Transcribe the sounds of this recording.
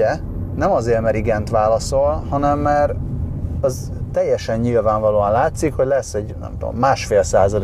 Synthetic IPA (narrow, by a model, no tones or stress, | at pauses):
ɛ | nɛmɒzeːrmɛɾiɡɛnt̪ʋaːlɒso̞lhɒnɛmːɛɾ | ɛz | t̪ɛjːɛʃɛɲːilvaːɱvɒloːɒnlaːt̪sikho̞ɟlɛsːɛɟnɛ̰mt̪o̰mːaːʃfeːlsaːzɒl